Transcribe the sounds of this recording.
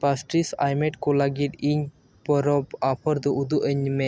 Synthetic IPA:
pasʈɾisa̰jmɛʈkɔ̃ləɡit̪iɲ | pɔɾɔpapʰɔɾd̪ɔʔud̪uʔəɲmɛ

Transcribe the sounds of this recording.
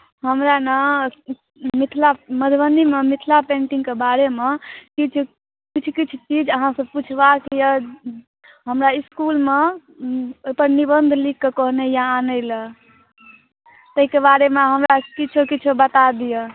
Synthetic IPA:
ɦəmɾanə | mit̪ʰlaməd̪ʱbənd̪imemit̪ʰlapẽɳʈĩŋɡkebaɾemekit͡ʃʰu | kit͡ʃʰukit͡ʃʰut͡ʃid͡ʒəɦãsəbput͡ʃʰbakijə | ɦəmɾaiskulme | ojpəɾnibənd̪ʱlikːekɔɦnejaːnəɪlə | t̪əɦikebaɾemeɦəmɾakit͡ʃʰokit͡ʃʰobət̪ad̪ijə

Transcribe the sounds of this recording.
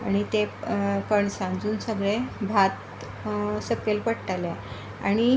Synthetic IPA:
aɽ̃it̪ekəɳsãnd͡zuːnsəɡɭebʱat̪ | səkːelpəɽʈale | a̰ɽ̃i

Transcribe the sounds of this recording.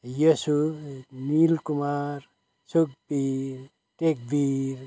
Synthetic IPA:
jʌsunilkumaɾ | suk̚piɾ | ʈek̚biɾ

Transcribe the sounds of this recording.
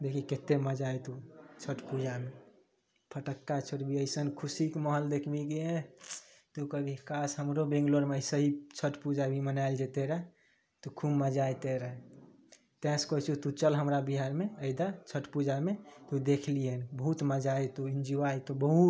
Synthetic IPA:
d̪ekʰiket̪eməd͡ʒajt̪ut͡ʃʰəʈpud͡ʒame | pʰəʈəkːat͡ʃʰəʈbʱiəjsənkʰusikməɦəld̪ekʰbik̬ie | t̪ukəbʱikasɦəmɾobẽŋɡloɾməsəɦit͡ʃʰəʈpud͡ʒabʱimənaɪld͡ʒet̪eɾəɦ | t̪ukʰumːəd͡ʒajt̪eɾəɦɛ | t̪ɛ̃skɔit͡ʃʰut̪ut͡ʃəlɦəmɾabiɦaɾmeəɪd̪at͡ʃʰəʈpud͡ʒamet̪ud̪ekʰliənbəɦut̪məd͡ʒajt̪uind͡ʒiʋajt̪ubəɦut̪

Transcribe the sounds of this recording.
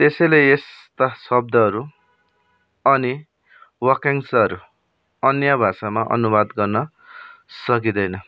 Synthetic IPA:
t̪esʌjleest̪asʌb̚d̪ʱʌʌɾu | ʌni | wʌkeŋsʌʌɾu | ʌnjabʱasamaʔʌ̰nubad̪ɡʌrnʌ | sʌk̬id̪ʌjnʌ

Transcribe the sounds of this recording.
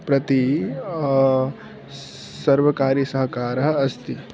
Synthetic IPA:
pɾɐt̪i | sɐɾbəkaːɾisəɦkaːɾɦɐst̪i

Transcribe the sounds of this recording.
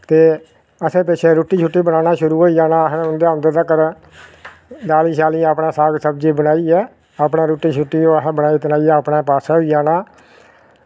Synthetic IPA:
t̪eː | əsẽːpɛːʃeːɾoːʈːiːt͡ʃʰʊʈːiːbənaːnaːʃʊɾuːɦoːid͡ʒaːnaːsʊnd̪eːənd̪əɾd̪aːkəɾ | d̪aːliːsaːliːaːpnaːsaːɡsəb̚d͡ʒiːbənaːiːɛː | aːpnaːɾuːʈiːt͡ʃʰʊʈːiːoːɦbənaːit̪ənaːiːɛːəpnãːpaːsaːɦoid͡ʒaːnaː

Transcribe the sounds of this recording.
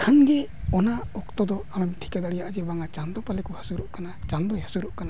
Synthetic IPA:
kʰanɡɛ | ɔnaɔkt̪ɔd̪ɔaɽɔmʈʰi̥kad̪aɽijaʔd͡ʒɛbaŋat͡ʃand̪ɔpalɛkɔhasuɾɔʔkanat͡ʃand̪ɔjɦasuɾɔʔkana

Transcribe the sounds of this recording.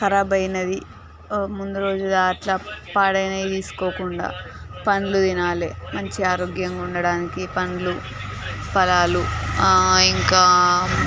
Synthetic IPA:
kɐɾɐbɐjnɐd̪i | mund̪uɾo̞ːd͡ʒud̪aːʈlɐpaːɽɐjnɐjit̪iːsu̥koːkuɳɖa̰ːpɐnlud̪inaːlḛːmɐɲt͡ʃiaːɾoːɡjɐŋɡauɳɖɐɽaːnikipɐnulu | pɐlaːlu | iŋkaː

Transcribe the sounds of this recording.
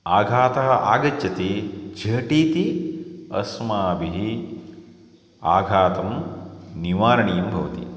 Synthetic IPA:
aːɡʱaːt̪ɐɦɐ̆ʔa̰ːɡɐt͡ʃːɐt̪id͡ʒɐːʈiːt̪iɐsmaːbiɦi | aːɡʱaːt̪ɐmniʋaːɾɐɳijɐmbʱɐʋɐ̰t̪ḭ

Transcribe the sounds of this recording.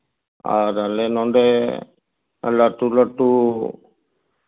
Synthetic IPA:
a̰ɾalenɔ̃nd̪e | laʈuləʈu

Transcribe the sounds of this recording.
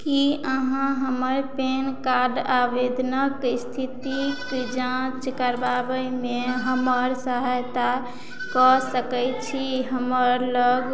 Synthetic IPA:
kiəɦãɦəməɾpenkaɾɖabed̪ʱnəkst̪ʰit̪ikd͡ʒãt͡ʃkəɾbabəjmeɦəməɾsəɦəjt̪a | kɔsəkɛjt͡ʃʰiɦəməɾləɡ

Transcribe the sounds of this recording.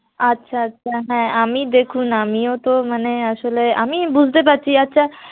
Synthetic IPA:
ətːʃʰaətːɕʰaɦɛ̃amid̪ekʰunamiot̪omaneaʃolea̰mibud͡ʑʱt̪ep̬atːʰiatːɕʰa

